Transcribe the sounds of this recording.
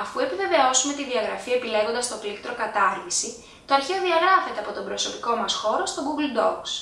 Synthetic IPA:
ɐfue̞pive̞ve̞o̞sume̞t̪iðiɐɣɾɐfiɐepile̞ɣond̪ɐst̪o̞klikt̪ɾo̞kɐt̪ɐɾvisi | t̪o̞ɐɾçeoðiɐɣɾɐfe̞t̪e̞ɐpo̞t̪o̞mbɾo̞so̞piko̞mɐsxo̞ɾo̞st̪o̞ɡuɡld̪o̞ks

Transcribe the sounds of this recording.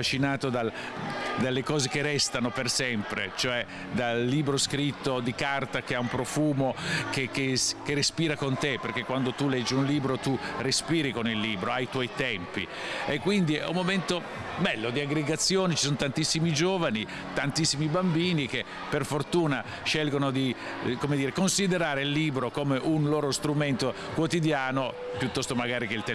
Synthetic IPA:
at͡ʃinaːt̪od̪a | d̪alːekɔːzekerːɛst̪anopersɛmpɾḛt͡ʃoɛ | d̪alːiːbɾoskɾit̪ːod̪ikart̪akeaumpɾofuːmokekeskerespiːɾakont̪eperk̟ekwand̪ot̪ulɛd͡ʒːiunliːbɾot̪urespiːɾikonilːiːbɾoajt̪wɔjt̪ɛmpḭ | ekːwind̪iɛ̰umːoment̪o | bɛlːod̪iaɡɾeɡat̪sːjoːnit͡ʃisonot̪ant̪isːimid͡ʒoːvani | t̪ant̪isːimibambiːnike | pːerfort̪uːna | ʃɛlɡonod̪i | komed̪iːɾekonsid̪eɾaːɾeilːiːbɾokomeʔunloːɾost̪ɾument̪o | kwot̪id̪jaːno | pjut̪ːɔst̪omaɡaːɾikeilt̪ɛ

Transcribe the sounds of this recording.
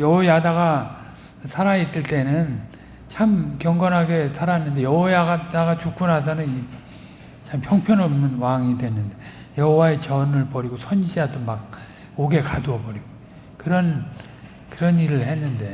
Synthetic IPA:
jʌojadaɡa | sʰaɾais͈ɯɭt͈e̞nɯn | t͡ɕʰamkjʌŋɡʌnɦaɡe̞sʰaɾaenːɯnde̞jʌwʌjaɡadaɡat͡ɕuk̚k͈unɦadanɯni | t͡ɕʰampʰjʌŋpʰjʌnʌmnɯnwaŋidwe̞nːɯnde̞ | jʌɦowae̞t͡ɕʌnɯɭpʌɾiɡosʰʌnɕʰiɦadomak̚ | oɡe̞kaduʌpʌɾiɡo | kɯɾʌn | kɯɾʌniɾɯɭhe̞nːɯnde̞

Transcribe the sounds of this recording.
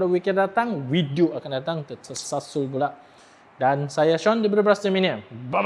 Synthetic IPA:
dawikɛndat̪aŋwidioakandat̪aŋt̪səsasʊlbulaʔ | dansajaʃɔndibərbɾast̪iminiba

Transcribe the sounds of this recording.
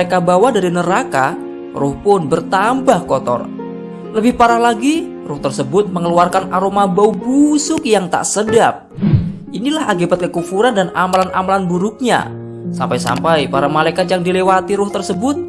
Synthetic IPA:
ekabawadaɾinəɾaka | rʊhpʊnbərt̪ambahkɔt̪ɔ̰r | ləbɪhpaɾahlaɡi | rʊht̪ərsəbʊt̪̚məŋəluarkanaɾomabaubusʊkjaŋt̪a̰ʔsədap̚ʔinilahakibat̪̚kəkufuɾandanamalanʔamalanbuɾʊk̚ɲa̰ | sa̰mpajsa̰mpajpaɾamalajkat̪̚jaŋdilewat̪iɾʊht̪ərsəbʊt̪̚

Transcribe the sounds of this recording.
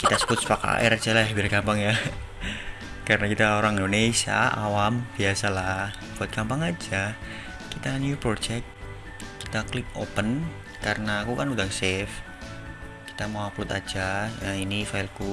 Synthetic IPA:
kit̪asə̥bʊt̪̚spaka̰ʔɛ̰ɾad͡ʒalaabiɾkampaŋja | kaɾənakit̪aoɾaŋindonesia̰ʔa̰wamb̥iasalah | b̥uat̪̚kampaŋad͡ʒa | kit̪anjupɾod͡ʒɛk̚t̪ | ki̥t̪aklɪp̚opən | kaɾənaːkukanudaŋsɛf | ki̥t̪amawplut̪ad͡ʒajainifaɪlku

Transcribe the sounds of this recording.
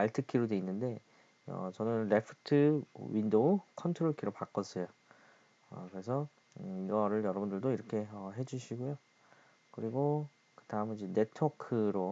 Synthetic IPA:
aɭtʰɯk͈iɾodwe̞inːɯnde̞ | ʌ̰t͡ɕʌnɯnɾe̞pʰɯ̥tʰɯwindokʰʌntʰɯɾoɭkʰiɾopak͈ʌs͈ʌjo | ʌkɯɾe̞s̬ʰʌ | iɡʌɾɯɭjʌɾʌbundɯɭdoiɾʌkʰe̞ʌɦe̞d͡ʑuɕʰiɡojo | kɯɾiɡo | kɯtaɯmid͡ʑene̞tʰʌkʰɯɾo

